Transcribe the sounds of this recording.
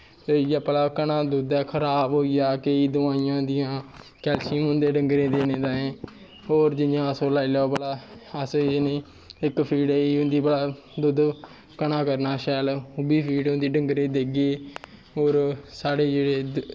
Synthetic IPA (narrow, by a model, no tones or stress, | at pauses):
t̪ejaːpəlaːkənãːd̪ʊd̪ɛːkʰəɾaːbɦoːijaːkəiːd̪ʊʋaːiːjãːd̪ɪjãː | kɛːlsĩɦʊ̃nd̪ẽːɖəŋɡɾẽːd̪eːnẽːd̪aːẽː | oːɾd͡ʒɪjãːəsõːlaːiːlɛːoːpəlaːəsnẽː | ɪkpʰiːɖiːɦʊ̃nd̪iːpəlaː | d̪ʊd̪ | kəɳaːkəɾnaːʃɛːlʊbiːpʰiːɖɦʊ̃nd̪iːɖəŋɡɾẽːd̪eːɡeː | oːɾsaːɽeːd͡ʒeːɽeː